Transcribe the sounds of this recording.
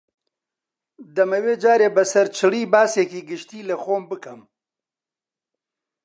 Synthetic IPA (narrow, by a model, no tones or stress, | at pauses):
d̪ɐmɐweːd͡ʒaːɾeːbɐsɐɾt͡ʃʰɨliːbaːseːkiːɡɨʃt̪iːlɐxoːmbɨkɐm